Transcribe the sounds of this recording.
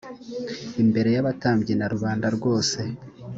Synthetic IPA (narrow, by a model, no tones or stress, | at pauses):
imbe̞ɾe̞jaβataːmbɟenaɾuβaːndaɾɡo̞ːse̞